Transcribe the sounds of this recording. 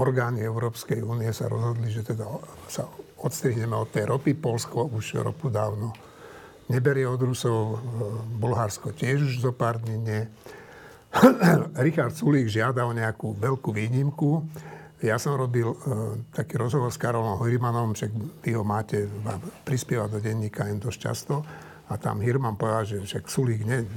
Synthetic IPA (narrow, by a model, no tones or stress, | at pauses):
ɔɾɡaːniɛʊɾɔːpskɛjuːniɛsa̰ɾɔ̰zɦɔd̪liʒɛt̪ɛd̪a | sa̰ɔt̪st̪ɾiɦɲɛmɛɔt̪ːɛjɾɔpipɔlskɔuʃɾɔ̰pud̪aːʊnɔ | ɲɛbɛɾɪɛɔd̪ɾusɔʊ | bulɦaɾskɔcɪɛʒuʒzɔpaːɾd̪ɲiɲɛ | ɾixaɾt̪suliːɡʒɪad̪aɔɲɛakuʋɛlkuʋiːɲimku | jasɔmɾɔbilt̪akiːɾɔzɦɔʋɔɾskaɾɔlɔmɦɔjɾimanɔmʃaɡʋiɦɔmaːcɛʋaːmpɾispɪɛʋad̪ɔɟɛɲːiːkaɛnd̪ɔsca̰st̪ɔ | at̪a̰mɦiɾmampɔʋɛd̪alʒɛʃaksuliːɡɲɛ